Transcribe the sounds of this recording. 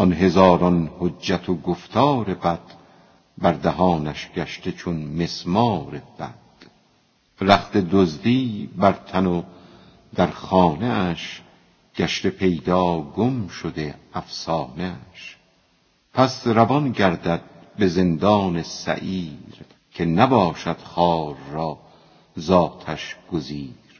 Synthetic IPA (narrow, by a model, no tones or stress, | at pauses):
ʔɒnɦe̞zɒːɾɒnhoːæt̪ʰoɡoft̪ʰɒːɾe̞bæd̪̥ | bæɾd̪æɦɒːnæʃɡ̥æʃt̪e̞t͡ʃʰonme̞smɒːɾeb̥æd̪̥ | ɾæχt̪e̞d̪ozd̪iːbæɾt̪ʰæno | d̪̥æɾχɒːneæʃ | ɡ̥æʃt̪epʰe̞jd̪ɒːɡomʃod̪e̞æfsɒːneæʃ | pʰæsɾævɒnɡæɾd̪æd̪̚be̞ze̞nd̪ɒːnesæ̰ʔiːɾ | kʲʰe̞næbɒːʃæd̪̥χɒːɾːɒː | zɒːt̪ʰæʃɡ̥oziːɾ